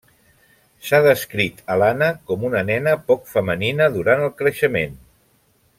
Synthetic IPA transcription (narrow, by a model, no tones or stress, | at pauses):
saðəskɾit̪əlanəkɔmunənɛnəpɔkfəməninəðuɾanəlˠkɾəʃəmen